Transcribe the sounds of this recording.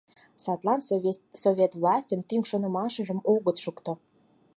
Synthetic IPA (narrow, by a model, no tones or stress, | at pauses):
sɑt̪lɑnsovʲet̪vlɑsʲtʲəmt̪yŋʃŏnə̆mɑʃə̆ʒə̆moɣət̪ʃukt̪o